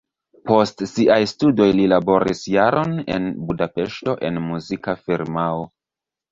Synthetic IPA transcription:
po̞stsiʔajstudo̞jlilabo̞ɾḭsjaɾo̞nḛnbudapeʃto̞ʔe̞nmuzikafiɾmao

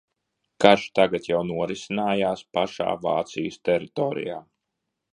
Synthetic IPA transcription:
kaɾʃt̪aɡat̪jawnuɔɾisinaːjaːspaʃa̰ːva̰ːt̪sijəst̪ɛɾit̪ɔːɾḭjaː

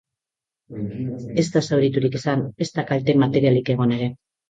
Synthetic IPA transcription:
e̞st̪asawɾit̪uɾikesane̞st̪akalt̪e̞mat̪e̞ɾialike̞ɣ̞o̞ne̞ɾe̞

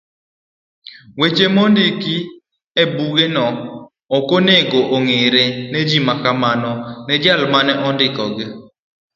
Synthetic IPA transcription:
wet͡ʃemɔndiki | ebuɡenɔː | koneɡoʔoŋeɾenɛd͡ʒimakamanɔnɛd͡ʒalmanɛʔɔndɪkɔɡɪ

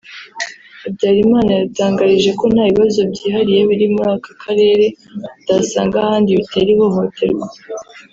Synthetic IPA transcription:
abɟaːɾimaːnaβitaːŋɡaɾiʒe̞ko̞n̥haːβiβazo̞bɟiːhaɾije̞βiɾimuɾaːkḁkʰaɾe̞ːɾe̞ | d̥asa̰ːŋɡahaːndiβite̞ɾiβo̞ɦo̞tʰe̞̰ɾɡwa

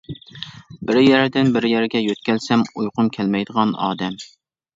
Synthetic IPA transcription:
bɪɾjæɾd̪ɪnbɪɾjæɾɡʲɛjøt̪kʲɛlsɛmujqʊmkʲʰɛlmɛjd̪əʁɑnɑ̰ːd̪ɛm

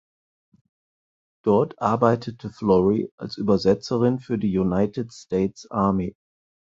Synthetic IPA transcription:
d̥ɔɐtʔaɐbaɪtʰətʰəflɔʁia̰lsʔyːbɐzɛt͡səʁɪnfyːɐdiːjunaɪtɪtsteːtsʔaɐme

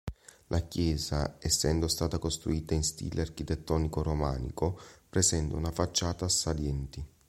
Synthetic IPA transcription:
lʔakjɛːzaɛsːɛnd̪ost̪aːt̪akost̪ɾuiːt̪ainst̪ḭːleark̟it̪ɛt̪ːɔːnikoromaːnḭkopɾɛsɛnt̪aunafat͡ʃːaːt̪asːaljɛnt̪i

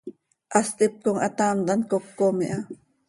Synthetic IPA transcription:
ʔast̪ɪp̚koŋat̪aːmt̪ankokːomiʔa

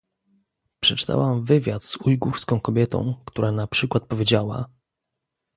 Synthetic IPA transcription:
pʂɛt͡ʂɘ̥t̪ʰa̰wamvɘvʲjat̪zujɡuɾskɔ̃w̃kɔbʲjɛt̪ɔ̰̃w̃kt̪uɾanapʂɘkwat̪̚pɔvʲjed͡ʑawa̰

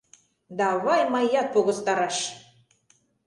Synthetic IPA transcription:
d̪ɑβɑjmɑjɑt̪̚poɣɤ̆st̪ɑɾɑʃ

